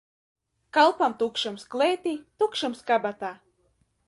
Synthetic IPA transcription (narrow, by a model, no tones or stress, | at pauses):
kalˠpamt̪ukʃɨmsklˠeːt̪ʲit̪ukʃɨmskabat̪aː